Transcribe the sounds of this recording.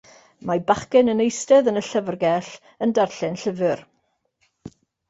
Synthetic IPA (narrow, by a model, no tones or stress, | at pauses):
mabaχkɛnənejstɛðənəɬəvrɡɛɬ | əndarɬɪnɬəvɨr